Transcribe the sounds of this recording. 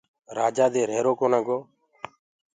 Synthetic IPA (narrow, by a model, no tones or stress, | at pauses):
ɾaːd͡ʒaːd̪eːɾeːɾoːkoːnãːɡoː